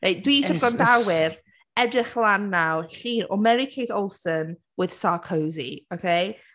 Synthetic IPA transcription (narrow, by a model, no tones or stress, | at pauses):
rʔejd̥wiʃɔɡɔndawɪr | ɛdrɪχlˠanːawɬiːnɔ̰mɛɾɪkʰejdɔlˠsən | wɨð̥sakʰowzḭokʰej